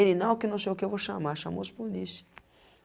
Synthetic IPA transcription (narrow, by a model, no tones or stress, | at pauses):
elɪnɐ̃w̃ʊkɪnɐ̃w̃sejʊkɪewvowʃamaɾʃã̰mo̰ʊspolisɐ